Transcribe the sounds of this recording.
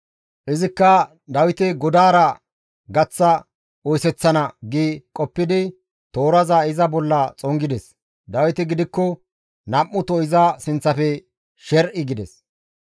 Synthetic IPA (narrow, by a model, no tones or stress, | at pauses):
ʔɪzɪkːɐ | d̪ɐwɪt̪ɪɡɔd̪aːɾɐ | ɡɐt͡sːɐ | ɔjsɛt͡sːɐnɐɡikʼɔpːɪd̪ɪ | t̪o̞ːɾɐzaɪzɐbɔlːɐt͡sʼɔŋɡɪd̪ɛs | d̪ɐwɪt̪ɪɡɪd̪ɪkːɔ | nɐmːʊt̪ɔɪzɐsɪnt͡sːɐfɛ | ʃɛɾʔɪɡɪd̪ɛs